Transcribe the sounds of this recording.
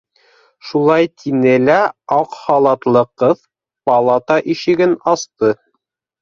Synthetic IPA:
ʃulˠɑjt̪ʰinɘlæɑqχɑlˠɑt̪lˠɤqɤð | pɑlˠɑt̪ɑʔiʃɘ̆ɡɘnɑst̪ɤ

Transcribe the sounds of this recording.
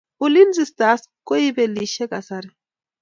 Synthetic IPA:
ʊlinzist̪askoibeliʃekasaɾi

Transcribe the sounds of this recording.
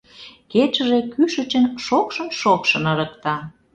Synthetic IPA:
ket͡ɕəʒekyʃə̆t͡ɕənʃokʃənʃokʃənəɾək̚t̪ɑ

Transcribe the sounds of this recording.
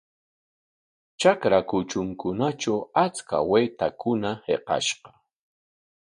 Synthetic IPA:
t͡ʃakɾakʊt͡ʃʊŋkʊnat͡ʃawat͡ska̰wejt̪akʊnahḛqɑ̰ʃɢɑ̥

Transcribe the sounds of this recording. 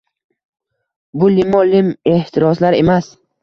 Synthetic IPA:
bʊlimɒlime̞ht̪ʰiɾɒslaɾe̞mas

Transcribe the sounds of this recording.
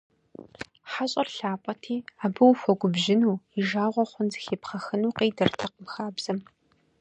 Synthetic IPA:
ħaɕʼɐrɬaːpʷʼɐtʰiːaːbɨwfɔɡʷʊbʒɪnuːiʒaːʁʷɔχʷʊnzɨ̥xeːpχɐxɨnuːqeːdɐrtʰɐqəmxaːbz̥ɐm

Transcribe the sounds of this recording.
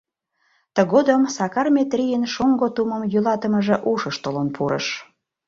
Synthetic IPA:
t̪ə̆ɣod̪əmsɑkɑrmʲet̪rʲijənʃoŋɡot̪umə̆mjylɑt̪ə̆məʒĕʔuʃəʃt̪olonpʰuɾə̰ʃ

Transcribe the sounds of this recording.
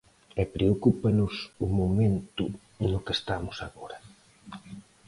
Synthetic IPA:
ɛpɾeokupɐnʊsʊmomẽnt̪ʊ | elʊkest̪amʊsaɣoɾɐ

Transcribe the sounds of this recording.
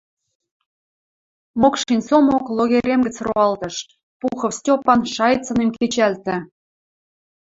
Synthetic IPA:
mokʃinʲsomokloɣʲeɾʲemɡə̆t͡sroɑlt̪ɤ̆ʃ | puxɤ̆fstʲopɑnʃɑjt͡sɤ̆nemket͡ɕælt̪ɘ̆

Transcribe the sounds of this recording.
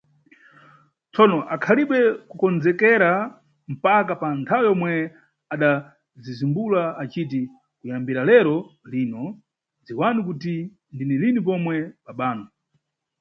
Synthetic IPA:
t͡sɔnɔʔakʰaliɓɛkukɔnd͡zɛkɛɾa | m̩pakapantʰawɛjɔmwɛ | aɗa | zizimbulaat͡ʃit̬i | kujambiɾalɛɾɔliːnɔ | d͡ziwanikuti | ndinɛlinipɔmwɛɓaɓaːnɔ

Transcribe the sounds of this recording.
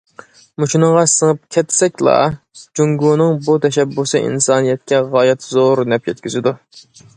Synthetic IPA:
mut͡ʃʰunɨŋʁɑsəŋəp̚kʲʰɛt̪sɛkʲlˠɑ̰ | d͡ʒuŋɡunɨŋbut̪ʰɛʃɛbːusɨʔḭnsɑːnijɛt̪̚kʲɛʁɑːjɛt̪zoɾnɛp̚jɛt̪kʲyzɪd̪u

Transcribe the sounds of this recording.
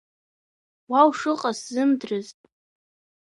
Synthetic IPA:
wawʂɨqʼaszɨmdrɨztʼ

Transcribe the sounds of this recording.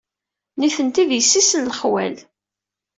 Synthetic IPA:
niθənt̪iðjəsːisənlχwæ̰l

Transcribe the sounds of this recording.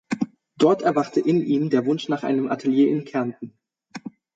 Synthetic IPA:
d̥ɔɐtɛɐvaχtʰəʔɪnʔiːmdeːɐvʊnʃnaːχʔa̰ɪnəmʔatʰeljeːʔɪnkʰɛɐntn̩

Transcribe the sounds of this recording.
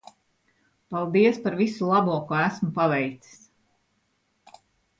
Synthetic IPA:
palˠd̪iɛspaɾvisulˠabuɔkuæsmupavɛjt̪si̥s

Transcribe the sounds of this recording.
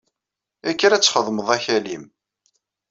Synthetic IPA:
ækːɾæt͡sːχəðˤməðˤæçælim

